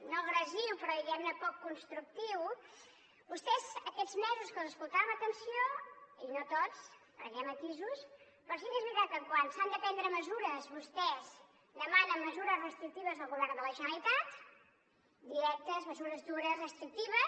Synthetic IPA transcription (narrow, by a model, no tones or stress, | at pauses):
noɣɾəziwpɾɔðiɣɛmnəpɔkːunst̪ɾuk̚t̪iw | bust̪ɛzəkɛd͡zmɛzuskəlˠzəskulˠt̪aəmət̪ənsioinot̪ot͡skɾə̰ʒɛmət̪izus | pɾɔs̬ikezβiɾat̪əŋkwansand̪əpɛnd̪ɾəməzuɾəzβust̪ɛz | d̪əmanənːəzuɾəzrəst̪ɾik̚t̪iβəzðəlˠɣuβɛrnd̪ələʒənəlit̪at̪ | d̪iɾɛk̚t̪əzməzuɾəzd̪uɾəzrəst̪ɾik̚t̪iβə